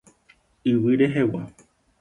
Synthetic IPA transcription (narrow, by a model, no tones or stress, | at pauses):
ɨwiɾeɦewa